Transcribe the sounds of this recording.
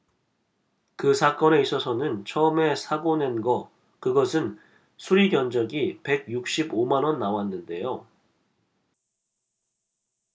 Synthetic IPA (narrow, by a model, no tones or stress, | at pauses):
kɯsʰak͈ʌne̞is͈ʌsʰʌnɯnt͡ɕʰʌɯme̞sʰaɡone̞nɡʌ | kɯɡʌsʰɯn | sʰuɾiɡjʌnd͡ʑʌɡipe̞ɡ̚juk̚ɕ͈ibomanwʌnːawanːɯnde̞̰jo